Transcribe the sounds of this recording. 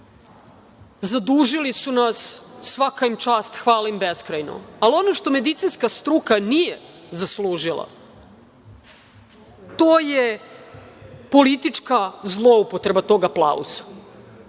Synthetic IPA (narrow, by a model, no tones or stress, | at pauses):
zad̪uːʒilisunasːʋakaimt͡ʃaːst̪xʋaːlimbeskɾajno̞̰alio̞noʃt̪o̞me̞d̪it̪sinskast̪ɾukanijezasluːʒilˠa̰ | t̪oːje | po̞lit̪it͡ʂkazlˠoupot̪ɾe̞bat̪o̞ɡaplˠa̰ṵzḁ